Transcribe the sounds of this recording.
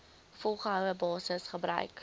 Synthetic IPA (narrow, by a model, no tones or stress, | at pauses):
fɔlˠχəɦœwəbɑːsəsχəbɾœ̰ɥk